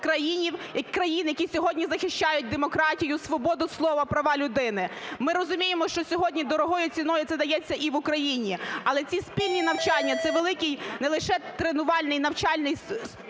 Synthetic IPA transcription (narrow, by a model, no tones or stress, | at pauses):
kɾɐjinʲiwɐkːɾɐjinjɐkʲisʲɔɦɔdʲnʲizɐxɪʃt͡ʃɑjʊt̚ʲd̪emɔkɾɑtʲijʊsʋɔbɔd̪ʊslˠɔʋɐpɾɐʋɑlʲʊd̪ɪnɪmɪɾɔzʊmʲijemɔʃt͡ʃɔsʲɔɦɔdʲnʲid̪ɔɾɔɦɔjʊt͡sʲinɔjʊt̪ɛd̪ɐjɛt͡sʲːɐʔiʋʊkɾɐjinʲiɐlˠɛt͡sʲispʲilʲnʲinɐwt͡ʃɑnʲːɐt̪sɛʋelˠɪkɪjnɛlˠɪʃɛt̪ɾenʊʋɑlʲnɪjnɐwt͡ʃɑlʲnɪj